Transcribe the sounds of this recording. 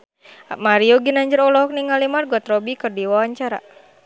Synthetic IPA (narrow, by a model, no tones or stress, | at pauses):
a̰maɾioɡinaɲd͡ʒəɾɔlɔɦɔk̚niŋalimarɡɔt̪ɾɔbikɨrdiwawaɲt͡ʃaɾa̰